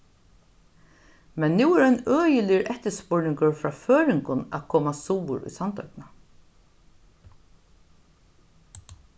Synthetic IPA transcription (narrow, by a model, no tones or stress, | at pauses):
mɛnːuːɛɾanœːjɪlɪɾʔɛht̪əspʊɹnɪŋkʊɹfɾaːføːɾɪŋkʊnæ̰ðkʰoːmasuːwʊ̰ɾṵjsant̪ʰœ̰kna